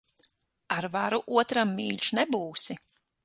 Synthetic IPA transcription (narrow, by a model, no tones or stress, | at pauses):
aɾvaɾuʔuɔt̪ɾamːiːʎʲʃnɛbuːsi